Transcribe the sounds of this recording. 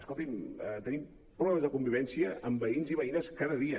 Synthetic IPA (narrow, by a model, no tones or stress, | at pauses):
skolˠt̪imət̪ənim | pɾuɣlɛməzðəkumbiβɛnsiəʔəmbəinziβəinəskaðəðiə